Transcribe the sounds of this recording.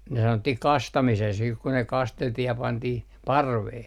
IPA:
ne sɑnotːih kɑstɑmises siːh ku ne kɑsteltih jɑ pɑntih pɑrʋeː

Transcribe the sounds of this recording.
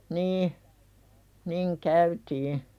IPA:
niː niŋ kæytiː

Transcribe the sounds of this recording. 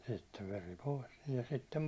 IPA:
sitːeʋ ʋeri poˑis niː jɑ sitːem

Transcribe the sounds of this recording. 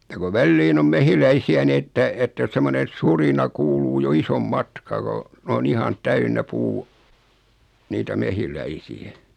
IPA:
jɑ ko ʋælːiːn om mehilæisiæ ni etːæ etːæ semːone surinɑ kuːluː jo isom mɑtkɑː ko on ihɑn tæynːæ puː niːtæ mehilæisiæ

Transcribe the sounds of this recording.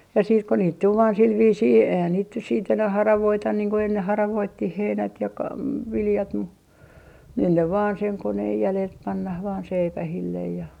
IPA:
jɑ siːt ko niːt tul ʋɑːn sil ʋiːsiː eihæn niːt nyt siːt enæh hɑrɑʋoitɑn niːŋ ko enːeh hɑrɑʋoitːih heinæt jɑ kɑ ʋiljɑt mu nyn ne ʋɑːn seŋ koneːj jælelt pɑnːɑh ʋɑːn seipæhilːej jɑ

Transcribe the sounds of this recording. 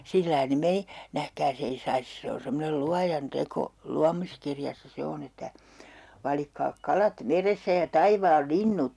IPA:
silːɑi ne meni næhkæːs ei sɑis se on semːonel luɑjɑn teko luɑmiskirjɑsːɑ se on etːæ ʋɑlikːɑː kɑlɑt ʋerestæ jɑ tɑiʋɑːl linːut

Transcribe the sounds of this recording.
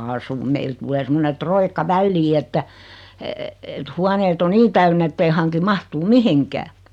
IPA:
ɑːsum meil tulˑeː semːone troikːɑ ʋælːiː etːæ et huɑneːt o niː tæynː etːei hɑŋki mɑhtuː mihiŋkæː

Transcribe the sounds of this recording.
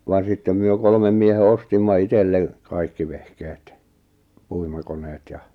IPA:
ʋɑn sitːem myø kolmem miehe ostimːɑ itelːe kɑikːi ʋehkeːt puimɑkoneːt jɑ

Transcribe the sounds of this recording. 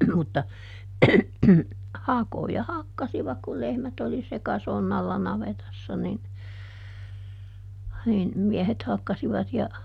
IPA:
mutːɑ hɑkojɑ hɑkːɑsiʋɑk kul lehmæt oli sekɑsonːɑlːɑ nɑʋetɑsːɑ nin nin miɛhet hɑkːɑsiʋɑt jɑ

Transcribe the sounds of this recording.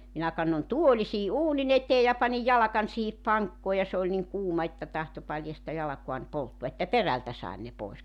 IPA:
minæ kɑnːon tuoli siː ʔuːnin eteːj jɑ pɑnij jɑlɑkɑnʲ siːhip pɑŋkːoː jɑ se olʲ niŋ kuːmɑ etːæ tɑhto pɑljɑstɑ jɑlɑkuɑn poltːuɑ etːæ peræltæ sɑen ne poˑes

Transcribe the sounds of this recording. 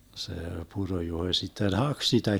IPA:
se purojuhoĭ sitːen hɑk sitæ

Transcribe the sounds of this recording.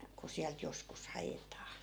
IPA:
ku siælt joskus hɑjetɑː

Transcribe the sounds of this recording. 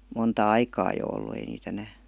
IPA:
montɑ ɑikɑː jo olːu ei niːt enæː

